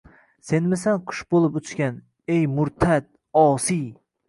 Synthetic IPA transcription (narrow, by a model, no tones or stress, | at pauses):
senmɪsanqʰʊ̥ʃbolˠɪpʊt͡ʃkʲan | ejmʊɾt̪ʰat̪̚ | ɒːsij